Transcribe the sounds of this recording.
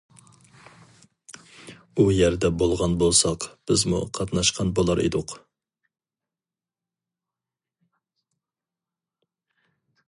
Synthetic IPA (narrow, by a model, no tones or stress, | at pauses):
ujɛɾd̪ɛbolˠʁɑnbolˠsɑqb̥ɪzmṵqʰɑt̪nɑʃqʰɑnbolˠɑɾḛd̪ʊq